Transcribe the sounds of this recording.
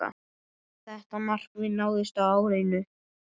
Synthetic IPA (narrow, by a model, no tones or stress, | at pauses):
a̰ | θɛht̪amar̥kvɪnaːwðɪst̪aaːwɾeːjnʏ